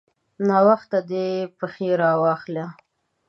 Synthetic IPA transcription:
nɑwaxt̪ad̪epəxeɾɑwɑxla

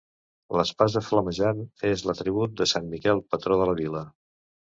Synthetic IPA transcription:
ləspazðəfləməʒanezlət̪ɾiβ̞ut̪̚d̪əsanmikɛlˠpət̪ɾoðələβilə

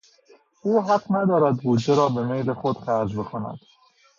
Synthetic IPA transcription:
uːɦæqnæd̪ɒːɾæd̪buːd̪d͡ʒeɾɒːbe̞mejɾexod̪̥xæɾd͡ʒbe̞kʰonæ̰d̪̥

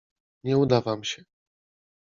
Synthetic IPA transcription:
ɲɛud̪avamɕɛ

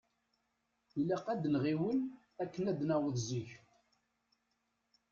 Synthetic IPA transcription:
ilæqæd̪nʁiwən | ækːənæd̪næwəðziç

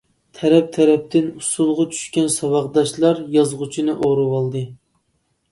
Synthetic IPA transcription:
t̪ʰɛɾɛp̚t̪ʰɛɾɛp̚t̪ʰɪnusulˠʁɑt͡ʃʰy̥ʃkʲɛnsɑwɑʁd̪ɑʃlˠɑɾjɑzʁʊt͡ʃʰinɨʔoɾɨwɑlˠd̪ɨ

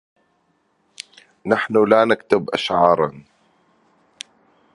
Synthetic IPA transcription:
naħnʊlaːnakt̪ɪbʔa̰ʃʕɑːɾˤɑn

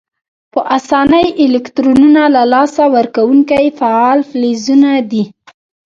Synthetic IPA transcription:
pəʔasɑnəjɪlɪkt̪ɾonunalalɑsawəɾkawuŋkajfaɑlflezunad̪i

